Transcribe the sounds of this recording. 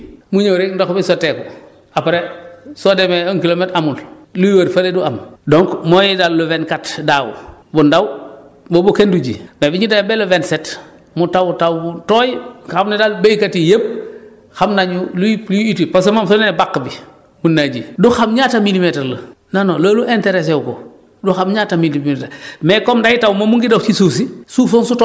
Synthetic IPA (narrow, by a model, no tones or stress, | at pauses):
muɲoɾendokbisoteko | apɾesodemeoŋkilometamullujwoɾfaleduamdoŋkmojidalːuvenkatdawṵbundawbobukenduɟḭmebiɲidabelovenset | mutawutawbutoːjxamnedalbejkatijep̚ | xamnaɲululuitipos̬emamsonenebakːbi | munːaɟḭduxamɲaːtamilimeteɾlɐnanoloːluʔenteɾes̬ɛwko̰ | duxamɲaːtamilietmɛkɔmdaitawmomuŋɡidawt͡ʃisusisufonsut